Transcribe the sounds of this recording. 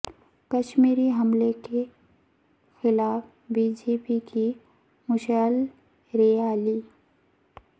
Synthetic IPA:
kɐʃmiːɾiɦɐmleke | xɪlaːf | biːd͡ʒeːpiki | mʊʃəl | ɾeaːliː

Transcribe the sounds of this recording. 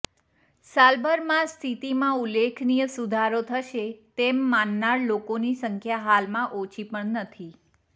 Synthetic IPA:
salbəɾmãst̪ʰit̪imãulːekʰnijəsud̪ʱaɾot̪ʰəʃet̪emːanːaɾlokonisəŋkʰjaɦalmãʔot͡ʃʰipəɳnət̪ʰi

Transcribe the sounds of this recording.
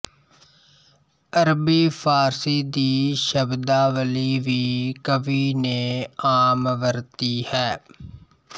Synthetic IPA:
əɾbiːpʰaːɾsiːd̪iːʃəbd̪aːʋəliːʋiːkəʋiːneːaːmʋəɾt̪iːhɛː

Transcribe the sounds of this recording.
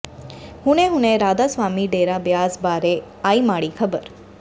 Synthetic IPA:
hũɽ̃eɦũneɾaːd̪asʋaːmiɖeɾabjaːzbaɾe | aːimaːɭikʰəbəɾ

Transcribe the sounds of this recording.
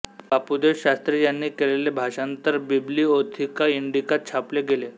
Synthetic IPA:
bapud̪eɕast̪ɾejanːiːkelelebʱaʂant̪əɾbibliːot̪ʰikaiɳɖikat̪̚t͡ɕʰapleɡele

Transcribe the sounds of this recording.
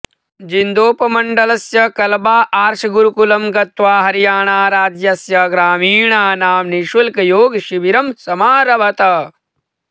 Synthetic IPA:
d͡ʒind̪oːpɐmɐɳɖɐlɐsjɐkɐlbaːʔaːɾʃɐɡuɾukulɐmɡɐt̪ʋaːɦɐɾijaːɳaːɾaːd͡ʒ̪jɐsjɐɡɾaːmiːɳaːnaːmniʃʋɐlkɐjoːɡʃiʋiɾɐmsɐmaːɾɐʋɐt̪ɐ

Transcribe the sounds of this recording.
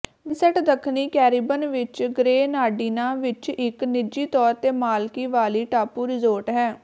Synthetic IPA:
ɪnsɛʈd̪əkʰniːkɛːɾiːbənʋɪt͡ʃɡɾeːnaːɖiːnãːʋɪt͡ʃɪknɪd͡ʒiːt̪ɔːɾt̪eːmaːlkiːʋaːliːʈaːpuːɾɪzoːɾʈɦɛː

